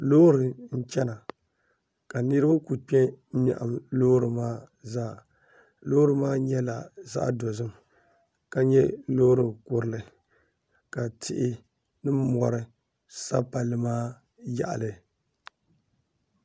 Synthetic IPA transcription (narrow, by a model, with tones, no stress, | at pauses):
loː˦ɾɨ˨n̩˦t͡ʃɛ˦na˨ | ka˨nɨ˦ɾɨ˦ba˦ku˨k͡pɛ˦ma̰˨ʔa̰˨mloː˦ɾɨ˨maː˦ | zaː˦˨ | loː˦ɾɨ˨maː˦ɲɛ˦la˨za̰˦ʔdo˨zɨ˦m | ka˨ɲɛ˦loː˦ɾɨ˨kʊ˨ɾɨ˦lɨ˨ | ka˨tɪ˦ʔɪ˦ | nɨ˦mɔ˨ɾɨ˦ | sa˦pa˨lɨ˨maː˦ | ja̰˦˨ʔa̰˨lɨ˨